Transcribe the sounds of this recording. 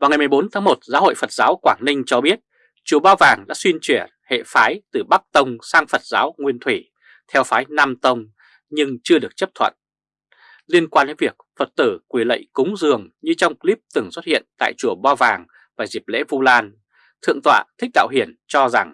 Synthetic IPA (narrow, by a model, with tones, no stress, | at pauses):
vaː˨wŋa˨˩jmɨ˨˩jɓo˨˦nt̪ʰaː˨˦ŋmo˨˩t̚zaː˨˦ɦo̰˧˨jfə˨˩t̚zaː˨˦wkwaː˧˩ŋnï˧ŋ̟t͡ɕɔ˧ɓi˦˥ət̚ | t͡ɕu˧˩əɓaː˧wvaː˨˩ŋɗa̰ː˧˥swi˧nt͡ɕwi˧˩ə | hḛ˧˨faː˨˦jt̪ɨ˨˩ɓa˦˥k̚t̪ə˧wŋ͡msaː˧ŋfə˨˩t̚zaː˨˦wŋwi˧ənt̪ʰwi˧˩ | t̪ʰɛ˧wfaː˨˦jna˧mt̪ə˧wŋ͡m | ɲɨ˧ŋt͡ɕɨ˧əɗɨ˨˩ək̚t͡ɕə˦˥p̚t̪ʰwə̰˧˨n | li˧ənkwaː˧nɗe˨˦nvi˨˩ək̚fə˨˩t̚t̪ɨ˧˩kwi˧˩lə̰˧˨jkʊ˨˦ŋ͡mzɨ˨˩əŋɲɨ˧t͡ɕɔ˧wŋ͡mkli˦˥p̚t̪ɨ˧˩ŋswə˦˥t̚hḭ˧˨ənt̪a̰ː˧˨jt͡ɕu˧˩əɓaː˧vaː˨˩ŋ | vaː˨˩zi˨˩p̚lḛ˧˥vu˧laː˧n | t̪ʰɨ̰˧əŋt̪ʰwa̰ː˧˨t̪ʰï˦˥k̚ɗa̰ː˧˨wɦi˧˩ənt͡ɕɔ˧za˨˩ŋ